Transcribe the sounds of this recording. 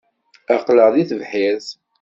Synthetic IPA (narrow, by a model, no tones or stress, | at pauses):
ɑqləʁðiθəvħiθ